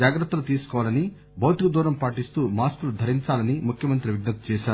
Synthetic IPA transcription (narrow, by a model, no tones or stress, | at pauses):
aːɡɾɐt̪ːɐlut̪iːsu̥kɔʋaːlɐni | bʱɐwt̪ikɐd̪uːɾɐmpaːʈist̪uːmaːskulud̪ʱɐɾiɲt͡ʃaːlɐnimukʰjɐmɐnt̪ɾiʋiɡnɐt̪u̥t͡ʃɛːʃaːɾu